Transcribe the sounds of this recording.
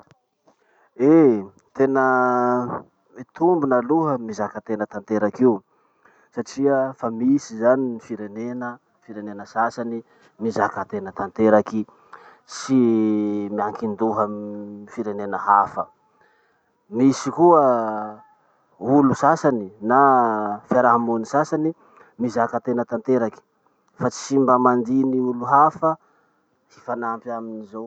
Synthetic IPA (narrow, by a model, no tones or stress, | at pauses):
e | t̪enə | mit̪umbunəluɦəmizakat̪enət̪ant̪eɾakiu | saʈ͡ʂiəfamisizaninifiɾenenə | fiɾenenəsasani | mizakat̪enət̪ant̪eɾaki | si | miaŋkind̪uɦəfiɾenenəɦafə | misikuə | ulusasaninafjaɾaɦamunisasani | mizakat̪enət̪ant̪eɾaki̥ | fat͡si̥simbəmand̪iniuluɦafə | hifanampjaminizow